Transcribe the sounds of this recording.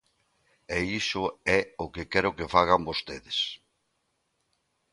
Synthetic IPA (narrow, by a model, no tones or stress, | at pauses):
eisʊɛokekɛɾʊkefaɣambost̪eðɪs